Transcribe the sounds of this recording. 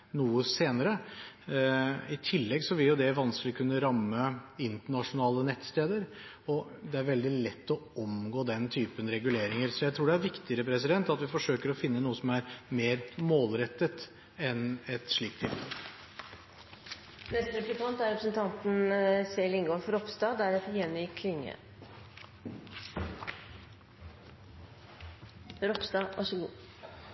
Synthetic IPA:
nuːəseːnəɾə | ɪt̪ʰɪlːɛɡsɔʋɪljʊd̪ɛʋɑnsklɪkʰʉnːəɾɑmːəɪnt̪əɳɑʂʊnɑːlənɛt̪ːst̪eːd̪əɾ | ɔ | d̪ɛæɾʋɛld̪ɪlɛt̪ːɔɔmɡoːd̪ɛnt̪ʰyːpənɾɛɡʉleːɾɪŋəɾsɔjæɪt̪ʰɾuːɖɛæɾʋɪkt̪ɪəɾəpʰɾɛsɪd̪ɛnt̪ɑt̪ʋɪfɔʂøːkəɾɔfɪnːənuːəsɔmæɾmeːɾmoːlɾɛt̪ːət̪ | ɛnɛt̪ʂɭiːk̚t̪ʰɪ̰l | nɛst̪ɾɛp̪ək̪ɑnt̪æɾɛpɾəsnt̪ʰɑnt̪n̩sɛlɪŋɡoːfɾɔpsd̪ɑːd̪æɾɛt̪əɾjɛnːɪkʰlɪŋːə̰ | ɾɔpsd̪ɑʋʔɑʂɔɡṵː

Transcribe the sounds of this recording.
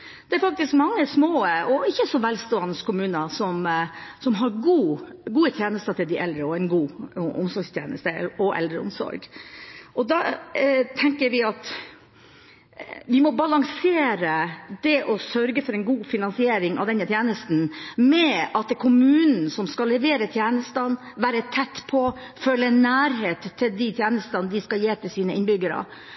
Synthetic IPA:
d̪̥ɛæɾfɑk̚t̪ɪskmɑŋːəsmoːɔɪçːəsɔʋælst̪oːɑnəskʰʊmʉːnəsɔmsɔmɦɑɾɡuːɡuːət̪ʰjeːnəst̪ɑt̪ʰɪld̪ɪʔɛld̪ɾəɔɛɪnɡuːʔʊmsɔɾɡst̪ʰjḛːnə̰st̪əɔʔɛ̰ld̪ɾə̰ʊ̰msɔ̰ɾɡʔɔd̪ɑːt̪ʰɛŋkəɾʋɪɑt̪ | ʋɪmɔbɑlɑŋseːɾəd̪ɛʔɔsœɾɡəfɔɾɛɪnɡuːfɪnɑnsɪeːɾɪŋɑ̰ʋd̪ɛnːət̪ʰjeːnəst̪n̩mɛɑt̪̚d̪ɛkʰʊmʉːnn̩sɔmskɑlːɛʋeːɾət̪ʰjeːnəst̪ɑn | ʋæːɾət̪ʰɛt̪ːpʰɔføːləɛnːæːɾɦeːt̪ʰːɪld̪ɪt̪ʰjeːnəst̪ɑnd̪ɪskɑljeːt̪ʰɪlsiːnəɪnbʏɡəɾə̰

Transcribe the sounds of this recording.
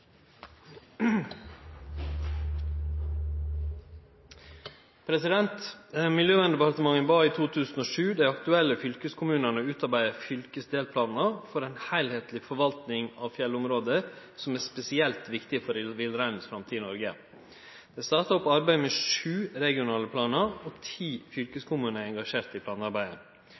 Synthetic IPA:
pʰɾɛsɪd̪ɛnt̪mɪljøːʋɛnd̪ɛbɛpʰɑɾt̪əmɑŋənbɑːiːt̪ʰuːt̪ʰʉːsn̩oːʂʉːd̪æɪɑkt̪ʉɛlːəfʏlkəskʰʊmʉːnəɳəʉːt̪ɑɾbæɪəfʏlkəsd̪eːlpʰlɑːnəfɔɾæɪnhæɪlheːt̪lɪfɔɾʋɑlt̪nɪŋɑʋfjɛlʊmɾoːd̪əɾ | sɔmæːspɛsɪɛlt̪ʋɪkt̪ɪfɔɾʋɪlɾæɪnsfɾɑmt̪ʰiːnɔɾɡə | d̪̥ɛɪst̪ɑɾt̪ɑɔpːɑɾbæɪmeːʂʉːɾɛɡɪʊnɑːləpʰlɑːnəɾɔt̪ʰiːfʏlkəskʰʊmʉːnəɛŋɡɑʂeːɾt̪ɪpʰlɑːnɑɾbæɪə̰n

